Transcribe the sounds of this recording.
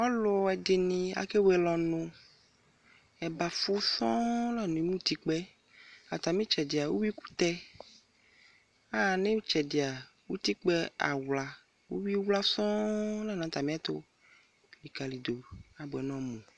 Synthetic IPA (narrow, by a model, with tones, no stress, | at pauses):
ɔ˦lo˨ɔ˨ɛ˨de˨nĩ˨a̰˨ke˦wɛ˨lɔ˨nõ˨ | ɛ˨ba˨fu˦sɔ̃˦la˦˨n˨ẽ˨mũ˦t̪i˦k͡pɛ˦ | a˨t̪a˨mĩ˦t͡ʃɛ˨de˨a˨wu˦wi˦ku̥˦t̪ɛ˦ | a˦˨nẽ˦wu˦t͡ʃɛ˨de˨a˨ | wu˦t̪i˦k͡pɛ˦a̰˨wla˨ | wṵ˦wi˦wla˦sɔ̃˦la˦˨nã˨t̪a˨mĩ˦a˦t̪o˦ | li˨ka˨li˨d̪o˨a˨bo˨ɛ˨nɔ̃˦mũ˨